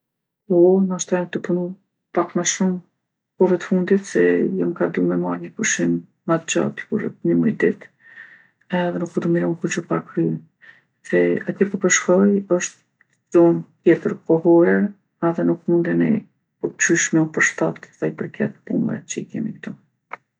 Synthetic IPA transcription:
ɔnaʃt̪ajamt̪əpunu | pakməʃum | kɔvɛt̪ə̥fund̪it̪sɛjamkad̪umɛmaɾɲəkuʃimː | at̪̚d͡ʑa̰t̪i̥kuɾɛ̰t̪ɲəmud̪it̪ | ɛðɛnukɔd̪umiɾɔmkut͡ɕɔpakɾy | sɛat̪jɛkɔpəʃkɔjɔʃt̪ | zɔnt̪jɛt̪əɾkɔɦɔɾɛ | aðɛnukmund̪ɛnḭ | kut͡ɕyʃmɛpəɾʃt̪at̪sajpəɾkʰɛt̪̚pṵmɛ̰t͡ɕəikɛ̰mḭkt̪u

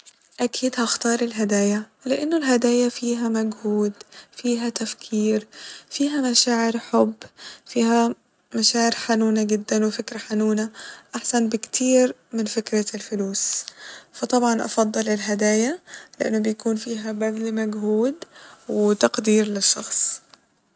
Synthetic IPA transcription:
ʔakʰiːd̪haxt̪ɑːɾˤɪlɦad̪aːjalɪʔɪnːʊlɦad̪aːjafiːɦamaɡhuːd̪fiːɦat̪afkʰiːɾfiːɦamaʃaːʕɪɾħʊbːfiːha | maʃaːʕɪɾħanuːnaɡɪd̪ːanwɪfɪkɾaħanuːnaʔaħsanbɪkt̪ʰiːɾmɪnfɪkɾalfʊluːsfɑt̪ˤɑbʕɑnʔɑ̰fɑd̪ˤːɨlɪlɦad̪aːjalɪʔa̰nːʊbɪjakuːnfiːɦabaɡlmaɡɦuːd̪wɪt̪ɑqd̪iːɾlɪʃːɑxsˤ

